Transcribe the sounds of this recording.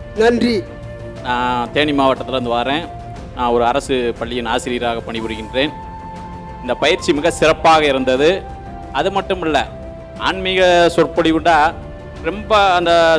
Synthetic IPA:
nɐndri | nãːt̪eːɳɪmaːʋɐʈːɐt̪ːɪlɐnd̪ɯʋaːɾẽː | nãːɔɾɯɐɾɐsɯpɐɭːɪjɪnaːsɪɾiːɾaːɣɐpːɐɳɪpɯɽɯɣɪndreːn | ɪnd̪ɐpɐjɪɾt͡ʃːimɪɣɐsɪɾɐpːaːɣɐɪɾɯnd̪ɐðɯ | ɐðɯmɐʈːɯmɪlːɐ | aːɳmɪɣɐsʊrpɐɽɪʋɯɳɖaː | ɾɛmbɐːnd̪ɐ

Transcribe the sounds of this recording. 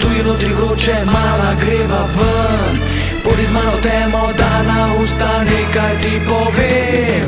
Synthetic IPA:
t̪uinot̪ɾivɾot͡ʃɛmalaɡɾevɐvɐ | n | pod̪izmãnɔt̪ɛmɔd̪anaust̪anekajd̪ipɔve

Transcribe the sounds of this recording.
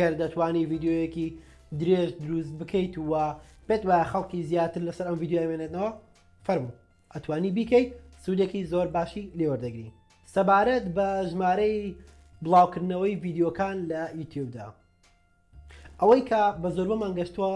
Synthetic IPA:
ɐɾd̪ɐt̪ʰwaːniviːd̪jojeki | d̪ɨɾeʒd̪ɨɾus̬t̪̚bɨkʰəjt̪uwɐpet̪waːjaxɐlˠkizjaːt̪ɨɾlɐsɐɾɐmvid̪jojamenet̪nɐwɐ | fɐɾmu | ʔɐt̪waːnibiːkejt̪̚sud̪ekizoɾbaːʃilewɐɾd̪ɐɡɾḭ | sɐbaːɾɐt̪bɐʒmaːɾej | bɨlˠaːwkɨɾd̪nɐwɐjviːd̪jokaːnlɐjuːt̪ʰjub̚d̪a̰ | ʔɐwɐjkʰɐbɐzo̞ɾbɐmaːnɡɐʃt̪ɨwa

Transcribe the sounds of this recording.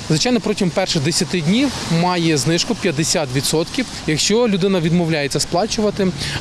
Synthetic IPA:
zʋɪt͡ʃɑjnɔpɾɔtʲimpɛrʃɪd̪esʲɐt̪ɪdʲnʲiwmɑjɛznɪʃkʊpʲjɐd̪esʲat̪ʋʲid̪sɔt̪kʲiw | jɐkʃt͡ʃɔlʲʊd̪ɪnɐʋʲid̪mɔwlʲajet͡sʲːɐsplˠɑt͡ʃʊʋɐt̪ɪ

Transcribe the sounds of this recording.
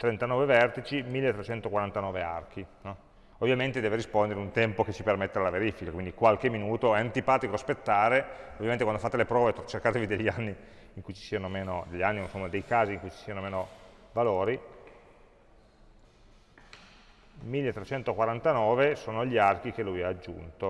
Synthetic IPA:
t̪ɾent̪anɔːvevɛrt̪it͡ʃimilːet̪ːɾet͡ʃɛnt̪okwaɾant̪anɔːvea̰rk̟inɔ | ovːjament̪ed̪ɛːveɾispond̪eɾeunt̪ɛmpoket͡ʃːipermet̪ːealaveɾifikakwind̪ikwalkemːinuːt̪oɛant̪ipaːt̪ikospet̪ːaːɾeovijament̪ekwand̪ofaːt̪elepɾɔːvet̪t͡ʃerkaːt̪evid̪eʎːianːiː | ŋkujt͡ʃi̥siːanomeːnod̪eʎːanːiunsomːad̪ejkaːziːŋkujt͡ʃi̥siːanomeːnovaloːɾi | milːet̪ːɾet͡ʃɛnt̪okwaɾant̪anɔːvesoːnoʎiark̟ikelːujaːd͡ʒːṵnt̪o

